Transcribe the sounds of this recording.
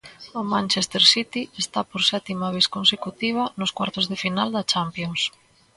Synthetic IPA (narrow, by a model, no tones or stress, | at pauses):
ʊmãnʲt͡ʃest̪eɾsit̪iest̪apoɾsɛt̪imɐβeskonsekut̪iβ̞ɐnʊskwaɾt̪ʊzðefinald̪ɐt͡ʃampjoŋs